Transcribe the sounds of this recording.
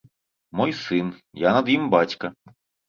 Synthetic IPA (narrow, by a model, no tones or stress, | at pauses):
mɔjsɪnjanɐd̪jimbatʲkɐ